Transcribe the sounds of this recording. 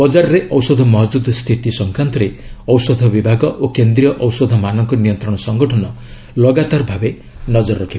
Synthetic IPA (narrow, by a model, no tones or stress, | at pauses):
b̥ɔd͡ʒaɾɾeʔɔwsɔd̪ʱɔmɔɦd͡ʒud̪ʱst̪ʰit̪isɔŋkɾant̪ɔɾeɔwsɔd̪ʱɔbibʱaɡɔʔokend̪ɾijɔʔɔwsɔd̪ʱɔmanɔŋkɔnijɔnt̪ɾɔɽ̃ɔsɔŋɡɔʈʰɔnɔ | lɔɡat̪aɾbʱabe | nɔd͡ʒɔɾːɔkʰiba